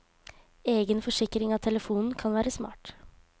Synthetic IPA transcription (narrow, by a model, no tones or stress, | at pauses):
eːɡənfɔʂɪkɾɪŋɑt̪ʰɛləfuːnn̩kʰɑnʋæːɾəsmɑ̰ːʈ